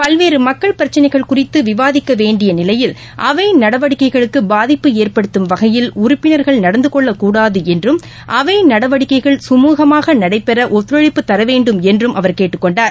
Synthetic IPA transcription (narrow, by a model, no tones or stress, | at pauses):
pɐlʋeːɾɯmɐkːɐɭpɪɾɐt͡ʃːɐnɐɪɣɐɭkʊrɪt̪ːɯʋɪʋaːðɪkːɐʋeːɳɖɪjɐnɪlɐjɪl | ʔɐʋɐɪnɐɽɐʋɐɽɪkːɐɪɣɐɭɯkːɯbaːðɪpːɯeːrpɐɽɯt̪ːɯmʋɐɣɐjɪlʊɾʊpːɪnɐɾɣɐɭnɐɽɐnd̪ɯkɔɭːɐkuːɽaːðɯɛndrɯm | ʔɐʋɐɪnɐɽɐʋɐɽɪkːɐɪɣɐɭsʊmuːɣɐmaːɣɐnɐɽɐɪpːɛɾɐʔɔt̪ːɪɾɐɻɪpːɯt̪ːɐɾɐʋeːɳɖɯmɛndrɯmʔɐʋɐɾkeːʈːɯkːɔɳɖaːɾ